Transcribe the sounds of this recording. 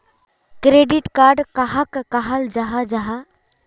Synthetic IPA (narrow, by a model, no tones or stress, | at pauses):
kɾeɖiʈkaɾɖkaɦəkːaɦəld͡ʒaɦad͡ʒaɦa